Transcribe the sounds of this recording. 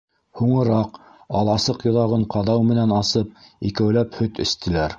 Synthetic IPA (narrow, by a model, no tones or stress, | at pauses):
huɴɤ̆ɾɑq | ɑlˠɑsɤqjŏðɑʁɤɴqʰɑðɑwmɘ̆nænɑsɤp̚ikæwlæphɵt̪ɘ̆st̪ɘ̆læɾ